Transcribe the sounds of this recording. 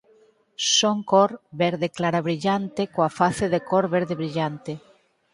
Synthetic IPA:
soŋkɔɾβɛɾðeklaɾaβɾiʎant̪ekoafaθeðekɔɾβeɾðeβɾiʎant̪ɪ

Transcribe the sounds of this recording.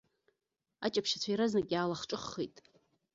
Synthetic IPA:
a̰t͡ʃʼapʰʃat͡ɕʷʰajɾaznakʲʼaːlaχʈ͡ʂʼɨχːejtʼ

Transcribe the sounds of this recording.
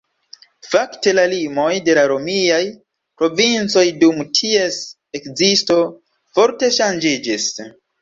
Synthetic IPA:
fakte̞lalimo̞jde̞laɾo̞miaj | pɾo̞vint͡so̞jdumtʰie̞s | e̞kzisto̞ | fo̞ɾte̞ʃand͡ʒid͡ʒis

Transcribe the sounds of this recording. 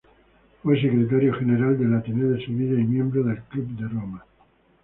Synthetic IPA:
fwes̬ekɾet̪̬aɾjoxeneɾald̪elat̪ineðeseβiʎaimjẽ̞mbɾoðelklub̚d̪eroma

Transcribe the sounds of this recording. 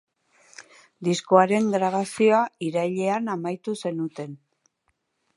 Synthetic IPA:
d̪isko̞aɾe̞ŋɡɾaβasio̞aiɾaʎe̞anamajt̪use̞nut̪e̞n

